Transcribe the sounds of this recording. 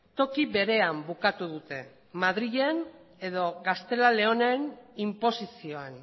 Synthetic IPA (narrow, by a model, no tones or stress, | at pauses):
t̪o̞kiβe̞ɾe̞ambukat̪uðut̪e̞ | maðɾiʎe̞n | e̞ðo̞ɣast̪e̞lale̞o̞nenimpo̞sisio̞an